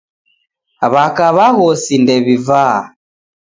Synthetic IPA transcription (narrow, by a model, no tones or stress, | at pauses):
βakaβaɣɔsindɛβiva